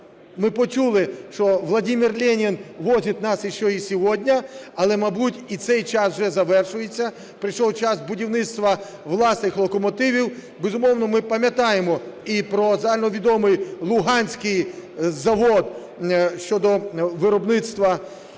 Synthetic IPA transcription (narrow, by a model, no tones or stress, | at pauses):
mɪpɔt͡ʃulˠɪʃt͡ʃɔʋlˠɐdʲimʲirlʲɛnʲinʋɔzʲit̪ʲnɑsiʃt͡ʃɔisʲɔʋɔdʲnʲɐɐlˠɛmɐbutʲit̪sɛjt͡ʃɑsʒɛzɐʋɛrʃʊjet͡sʲːɐ | pɾɪʃɔwt͡ʃɑsbʊdʲiwnɪt̪st̪ʋɐ | ʋlˠɑsnɪxlˠɔkɔmɔt̪ɪʋʲiw | bezʊmɔwnɔmɪpɐmʲjɐt̪ɑjemɔipɾɔzɐalʲnɔʋʲid̪ɔmɪjlˠʊɦɑnʲsʲkɪjzɐʋɔd̪ | ʃt͡ʃɔd̪ɔʋɪɾɔbnɪt̪st̪ʋɐ